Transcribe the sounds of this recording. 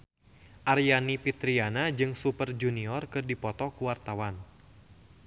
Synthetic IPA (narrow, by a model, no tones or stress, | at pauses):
ʔarjanipit̪ɾianad͡ʒɨŋsupərd͡ʒuniɔrkɨrdipɔt̪ɔkuwart̪awan